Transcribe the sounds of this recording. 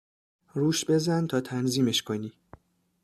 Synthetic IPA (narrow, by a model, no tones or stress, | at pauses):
ɾuːʃbe̞zænt̪ʰɒːt̪ʰænziːmeʃkʰo̞niː